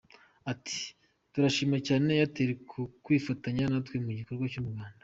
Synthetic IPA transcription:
atʰi̥ | tuɾaʃiːmacaːne̞jateɾekʰukwiːfataɲanatwemuɟiko̞ɾɡwat͡ʃumuɡaːnda

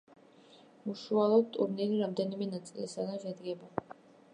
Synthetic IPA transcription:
uʃualˠɔd̪̚t̪ʼṵɾniliɾamd̪ɛnimɛnat̪sʼilisad̪anʃɛd̪ɡɛba

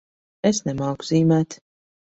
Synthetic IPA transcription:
esnɛmaːɡziːmæːt̪

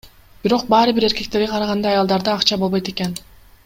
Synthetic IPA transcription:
biɾo̞q̚bɑːɾɯbiɾe̞ɾke̞k̚t̪e̞ɾɡʲeqʰɑɾɑʁɑnd̪ɑɑjɑlˠd̪ɑɾd̪ɯːqt͡ʃɑbolˠbo̞jt̪e̞ke̞n

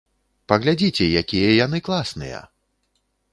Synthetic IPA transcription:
pɐɣlʲad͡zʲit͡sʲɛjakʲijɐjan̪ɨklˠasnɨ̰jɐ̰

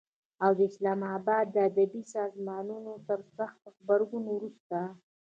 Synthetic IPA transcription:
awd̪əɪslɑmɑbɑd̪ːəad̪abisɑzmɑnunot̪əɾsaxt̪̚əxbaɾɡunwɾust̪a

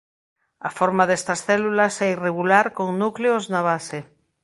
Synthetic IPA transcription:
afoɾmaðest̪ɐsθɛlulasɛireɣulaɾkoŋnukleoznaβase

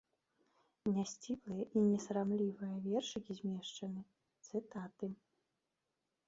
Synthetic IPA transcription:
nʲasʲt͡sʲiblˠɨjɛʔinʲɛsɾamlʲivɨjɐvʲɛrʂɨkʲizʲmʲɛʂt͡ʂɐnɨ | t̪sɨt̪at̪ɨ

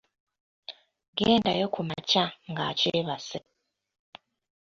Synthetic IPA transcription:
ɡeːnda̰jokʰumat͡ʃaŋɡa̰t͡ʃeːβase

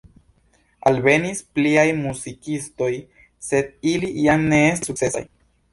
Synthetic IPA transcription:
albe̞nispliajmusikist̪oj | se̞d̪̚iliianːeest̪sukt͡sesa̰j

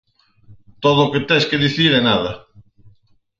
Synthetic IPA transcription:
t̪oðʊːket̪ɛskeðiθiɾɛnaðɐ

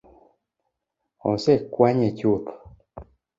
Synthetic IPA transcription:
ɔ̰sɛkwaɲɛt͡ʃʊt̪ɔ̥

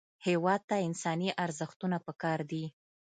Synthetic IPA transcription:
hewɑd̪̚t̪aɪnsɑniʔaɾzəxt̪unapəkɑɾd̪i

